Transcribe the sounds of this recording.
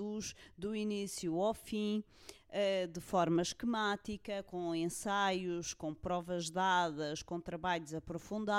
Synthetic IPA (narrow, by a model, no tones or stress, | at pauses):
uʒd̪uinisjuawfĩ | ɛd̪ɨfɔɾmɐʃkɨmat̪ikɐkõẽsajuʃkõpɾɔvɐʒdaðɐʃkõt̪ɾɐβaʎuzɐpɾufũnd̪a